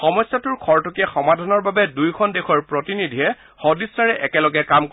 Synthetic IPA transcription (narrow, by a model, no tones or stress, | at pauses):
xɔmɔjsːɔtʊɹkʰɔɹtɔkɛxɔmadʱɔnɔɹbabɛdujkʰɔndexʰɔɹpɹɔtinidʱiɦɛ | xɔdisːaɹɛʔɛkɛlɔɡɛkamk